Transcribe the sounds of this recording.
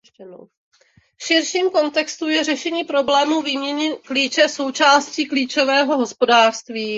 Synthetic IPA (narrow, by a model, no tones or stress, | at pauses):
ɛno | fʃɪɾʃiːmko̞nt̪ɛkst̪ujɛrɛʃɛɲiːpɾo̞blɛːmuːviːmɲɛɲɛkliːt͡ʃɛso̞wt͡ʃaːsciːkliːt͡ʃo̞vɛːɦo̞ɦo̞spo̞daːr̥st̪viː